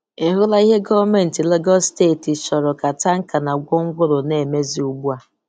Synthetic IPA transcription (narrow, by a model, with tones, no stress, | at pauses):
e˨ɦʊ˦la˦i˦ɦe˦ɡɔ˦me˨n̩˨ti˨le˦ɡɔ˦steː˦˨ti˨t͡ʃɔ˨ɾɔ˨ka˨ta˦ŋ̩˦ka˨na˨ɡʷʊ˦ŋ̩˦ɡʷʊ˦ɾo˨ne˨me˦zi˦u˦ɡ͡bu˦a˨